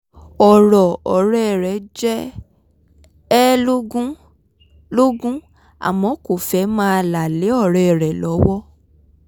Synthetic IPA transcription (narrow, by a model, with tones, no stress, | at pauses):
ɔ˨ɾɔ˨ɔ˨ɾɛ˦˨ɾɛ˨˦d͡ʒɛ˦ | ɛ˦lo˦ɡũ˦ | lo˦ɡũ˦ | a̰˨mɔ̃˨˦ko˨fɛ˨˦mãː˦a˧la˨le˨˦ɔ˦˨ɾɛ˨ɛ˨ɾɛ˨lɔ˨˦wɔ˦